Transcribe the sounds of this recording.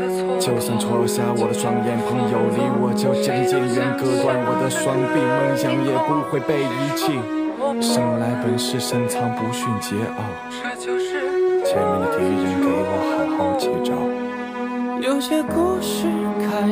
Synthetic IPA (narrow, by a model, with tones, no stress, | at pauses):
t͡ɕjo˥˧˩ʊsɑ˥˩ŋʈ͡ʂʰo˧˥ɕja˥wɔ˨˩d̪ə˦swɑ˥ŋjɛ˧˥npʰɤ˧˥ŋjo˨˩ʊli˥˩wɔ˨˩t͡ɕjo˥˩ʊt͡ɕjɑ˥ŋt͡ɕjɛ˧˥˧ɥɛ˧˥nkɤ˥kwa˥˩nwɔ˨˩d̪ə˦swɑ˥ŋpi˥˧ŋmə˥˧ŋɕjɑ˥ŋjɛ˥˩pu˥xwe˥˧ɪpe˥˩ɪi˧˥t͡ɕʰi˥˩ʂə˥ŋla˧˥ɪpə˧˥nʂɻ̩˥˩ʂə˥nt͡sʰɑ˧˥ŋpu˧˥ɕy˥˩nt͡ɕjɛ˧˥ʔə˨˩ | t͡ɕjɛ˧˥nu˧˩t̪ʰɛ˧˥i˨˩i˧˥ŋkɤ˧˥wɑ˧˩xa˧˥˩ɪxɑ˥˧˩t͡ɕʰo˧˥ʊʈ͡ʂɑ˥˩˦ʊ | jo˧˥ʊɕjɛ˥ko˥ʂy˥ | kʰ